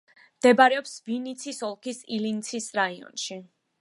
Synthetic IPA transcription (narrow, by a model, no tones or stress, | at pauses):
md̪̥ɛbaɾɛɔpsvinit̪sʰisɔlˠkʰisilint̪sʰisɾaiɔ̰nʃi